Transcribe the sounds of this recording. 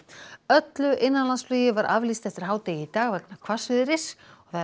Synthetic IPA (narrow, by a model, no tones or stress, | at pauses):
œt̪lʏʔɪnːanlansflyːjɪvaɾa̰vlist̪ɛft̪ɪɾ̥ɦaːwt̪eːjɪit̪aːɣvɛknakʰvar̥svɪðɪɾɪsɔθa